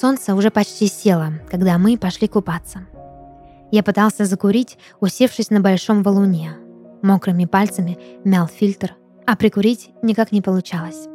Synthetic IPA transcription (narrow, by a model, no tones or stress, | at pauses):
so̞nt̪səʊʐɛpɐt͡ɕtʲisʲe̞lˠəkaɡd̪amɨpɐʂlʲikʊpat̪sə | japɨt̪alˠsʲəzəkʊɾʲitʲ | ʊsʲe̞fʂɨsʲnəbɐlʲʂo̞mvəlˠʊnʲemokɾɨmʲɪpalʲt̪səmʲɪmʲalˠfʲilʲt̪r | ɐpɾʲɪkʊɾʲitʲnʲɪkaknʲɪpəlˠʊt͡ɕalˠəsʲ